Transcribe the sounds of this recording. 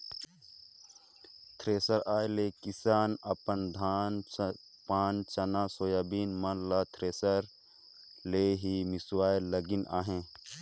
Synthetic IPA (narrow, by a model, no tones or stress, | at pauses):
t̪ʰɾeːsəɾaːjlekisaːnɐpənd̪ʱaːn | paːnt͡ʃɐnasoːjaːbiːnmɐnlat̪ʰɾeːsəɾ | leɦimɪswaːjləɡinʔa̰ːɦẽː